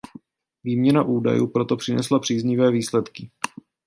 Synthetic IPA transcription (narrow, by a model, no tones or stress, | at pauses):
viːmɲɛnaʔuːda̰jṵːpɾo̞t̪o̞pr̥ɪnɛslapr̥iːzɲɪvɛːviːslɛt̪kɪ